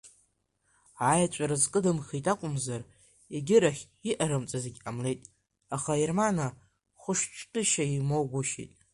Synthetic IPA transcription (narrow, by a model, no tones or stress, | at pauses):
ajat͡ʃʷʼaɾazqʼɨdɨmχʲitʼakʷʼʊmzar | eɡʲɪɾaχʲ | iʔaɾɨmt͡sʼazeɡʲamle̞jtʼ | aχaermana | χʷʊʂt͡ʃʰʼqʲʼɪʃaimowɡʷʊʃḭjtʼ